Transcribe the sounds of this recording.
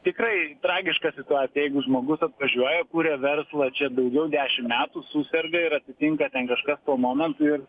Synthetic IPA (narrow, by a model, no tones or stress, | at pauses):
t̪ʲɪkrɐɪt̪ɾɑːɡʲɪʃkɑsʲɪt̪ʊɑːt̪ʲɪjɛɪɡʊʒmoːɡʊsɐt̪ʋɐʒʲuɔjɛkuːɾʲɛʋʲɛrslˠɐt͡ʃʲɛd̪ɐʊɡʲɛʊd̪ʲæːʃʲɪmmʲæːt̪usuːsʲɛrɡɐɪɾɐt̪ʲɪt̪ʲɪŋkɐt̪ʲɛnkɐʃkɐst̪uɔmoːmʲɛnt̪ʊɪr